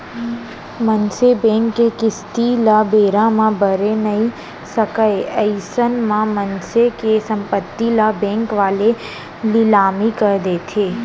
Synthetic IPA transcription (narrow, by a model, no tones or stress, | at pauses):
mənsebɛ̃ːŋkːekɪst̪ilabeːɾãmãbʱəɾenɐɦĩ | səkəeəɪsənmãmənsekesə̃mpət̪ːilabɛ̃ːŋkʋaːle | lɪlaːmikəɾd̪eːt̪ʰeː